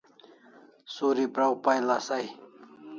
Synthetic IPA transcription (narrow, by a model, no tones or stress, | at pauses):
suːɾipɾawpajlasaj